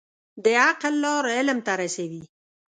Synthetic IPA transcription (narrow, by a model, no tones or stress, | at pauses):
d̪əaqlːɑɾɪlmt̪aɾasawi